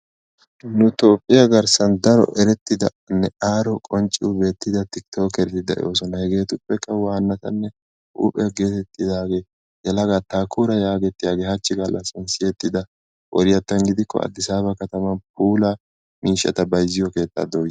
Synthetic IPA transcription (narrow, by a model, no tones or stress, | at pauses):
nʊt̪o̞ːpʼːɪjɐɡɐɾsɐnd̪ɐɾɔ̰ʔɛɾɛt̪ːɪd̪ɐ | nːɛaːɾɔkʼɔnt͡ʃʼiːbe̞ːt̪ːɪd̪ɐt̪ɪkt̪ʰo̞ːkɛɾɛt̪ːɪd̪ɐ̰ʔɪ̰jo̞ːsɔnɐhɛɡe̞ːt̪ʊpːɛkːɐwaːnːɐt̪ɐnːɛ | ʔʊ̰pʼɛɡe̞ːt̪ɛt̪ːɪd̪aːɡe̞ː | jɛlɐɡat̪aːkʰuːɾɐjaːɡɛt̪ːɪjaːɡeːhɐt͡ʃːɪɡɐlːɐsɪnsɪjɛt̪ːɪd̪ɐ | ʔɔ̰ɾɪjɐt̪ːɐnɡɪd̪ɪkːɔ̰ɐ̰d̪ːɪsaːβɐkɐt̪ɐmɐnpuːla | miːʃɐ̰t̪ɐbɐjzɪjɔke̞ːt̪ʼːa̰ːd̪oːj